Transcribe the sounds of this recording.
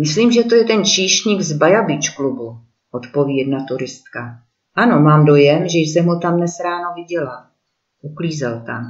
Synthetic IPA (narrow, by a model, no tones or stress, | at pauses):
mɪsliːmʒɛt̪ojɛt̪ɛnt͡ʃiːʃɲiɡzbajabɪt͡ʃklubu | ʔot̪po̞vjɛd̪nat̪uɾɪst̪ka | ʔano̞maːmdo̞jɛmʒɛjsɛmɦut̪amnɛsɾaːnavɪɟɛla | ʔukliːzɛlt̪am